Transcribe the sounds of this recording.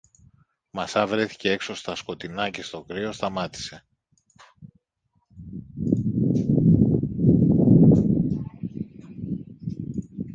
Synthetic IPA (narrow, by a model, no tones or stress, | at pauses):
mɐsɐvɾe̞θi̥ce̞e̞kso̞st̪ɐsko̞t̪inɐce̞st̪o̞kɾio̞st̪ɐmɐt̪i̥se̞